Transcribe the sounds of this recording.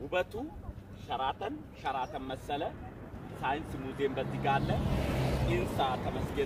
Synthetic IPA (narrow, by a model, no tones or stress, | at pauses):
ʔʊbɐt̪uː | ʃɐɾaːt̪ɐn | ʃɐɾaːt̪ɐnmɐsːɐlɐ | saːjɪnsmuːzeːmbɐt̪ːɪɡaːlːɐ | ɪnsaːt̪ɐmɐsɡeː